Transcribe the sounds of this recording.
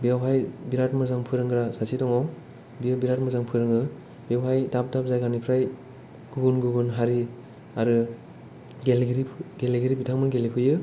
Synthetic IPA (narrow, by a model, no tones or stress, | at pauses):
bjawɦajbiɾat̚mɯzaŋpʰɯɾɯŋɡɯɾasasitɔŋɔ | biɯbiɾat̚mɯzaŋpʰɯɾɯŋɯ | biawɦajdap̚dap̚zajɡanipʰɾaj | ɡ̥ubunɡubɯnɦaɾi | aɾɯ | ɡelɡɾiɡeleɡiɾibitʰaŋmɯnɡelipʰɯjɯ